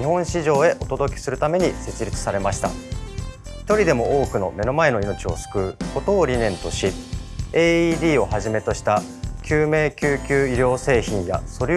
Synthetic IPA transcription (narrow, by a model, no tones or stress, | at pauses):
ihõ̞ɰ̃ɕiʑo̞ːe̞ʔo̞t̪o̞d̪o̞kʲe̥sɨɾɯ̟t̪ame̞ɲ̟ise̞t͡sɨɾʲit͡sɨ̥saɾe̞maɕi̥t̪a̰ | çi̥t̪o̞ɾʲid̪e̞mo̞oːkɯ̟no̞̰me̞no̞mae̞no̞ino̞t͡ɕio̞̰sɨ̥kɯ̟ːko̞t̪o̞ːɾʲinẽ̞nt̪o̞ɕieːiːd̪ʲiːo̞haʑime̞t̪o̞ɕi̥t̪a | kʲɨːme̞ːkʲɨːkʲɨːiɾʲo̞ːse̞ːçĩɰ̃ja̰so̞ɾʲ